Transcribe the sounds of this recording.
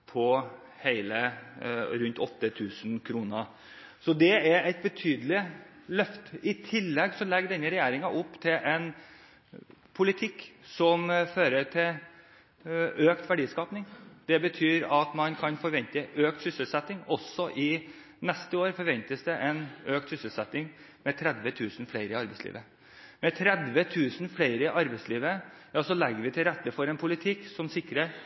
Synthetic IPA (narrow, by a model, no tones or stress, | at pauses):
pʰɔ | heɪlə | ɾʉnt̪ɔt̪ːət̪ʰʉːsn̩kʰɾuːnə | sɔd̪ɛæɾæɪt̪̚bət̪ʰyːd̪əlɪ | lœft̪əɪt̪ʰɪlːɛɡsɔmlɛɡɖɛnːəɾɛjæːɾɪŋɑʔʊpːt̪ʰɪlʔɛn | pʰʊlɪt̪ʰɪkːsɔmføːɾəʈʰɪl | øːkt̪ʋæɖiːskɑːpnɪŋd̪̥ɛbət̪ʰyːɾɑt̪mɑnkʰɑnfɔɾʋɛnt̪əʔøːkt̪sʏsəlsɛt̪ːɪŋɔsːɔʔɪ | nɛst̪əoːɾfɔɾʋɛnt̪əsd̪ɛʔɛnøːk̚t̪sʏsəlsɛt̪ːɪŋ | mɛt̪ʰɾɛd̪ʋət̪ʰʉːsnfæɪɾəɪɑɾbɛɪslḭːʋə | mɛt̪ʰɾɛd̪ʋət̪ʰʉːsn̩flæɪɾəɪʔɑɾbæɪsliːʋə | jɑsɔlɛɡəɾʋɪt̪ʰɪlɾɛt̪ːəfɔɾɛnpʰʊlɪt̪ʰɪksɔmsɪkːɾə